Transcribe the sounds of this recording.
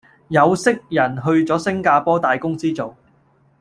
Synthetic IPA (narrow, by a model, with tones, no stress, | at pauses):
jɐ˨˧wsɪ˥k̚jɐ˨˩nɦɵ˧ɥt͡sɔː˨˥sɪ˥ŋkaː˧pɔː˥t̪aː˨jkʊ˥ŋt͡siː˥t͡so˨w